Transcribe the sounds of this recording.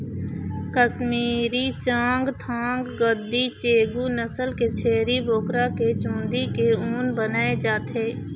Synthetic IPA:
kəsmiːɾit͡ʃãːŋɡt̪ʰãːŋɡːəd̪ːit͡ʃeːɡunəsəlket͡ʃʰeːɾiboːkɾaket͡ʃũːnd̪ikeuːnbənaːed͡ʒaːt̪ɦeː

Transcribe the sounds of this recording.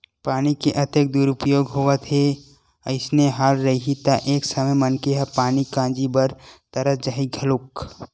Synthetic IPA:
paːnikeʔɐt̪ek̚d̪uːɾʊpjoːɡɦoʋət̪ɦe | əɪsneɦaːlɾɐɦiɦit̪aʔeːksɐməjmɐnkeɦɐpaːnikãːd͡ʒibəɾt̪ɐɾəd͡ʒəɦiɡʱɐlʊk

